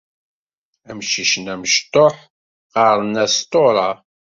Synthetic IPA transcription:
æmʃiʃənæməʃt̪ˤːoħ | ʁɑɾˤnæst̪oɾˤɑ

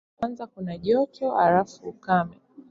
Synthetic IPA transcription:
anzakunaʄɔt͡ʃɔalafuːkamɛ

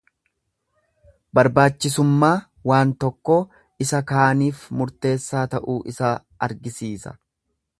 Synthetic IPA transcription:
bɐɾbaːt͡ʃːɪsʊmːaː | waːnt̪ɔkːoː | ɪsɐkaːniːfmʊɾt̪e̞ːsːaːt̪ɐʔuːʔɪsa | ɐɾɡɪsiːsɐ̥̰

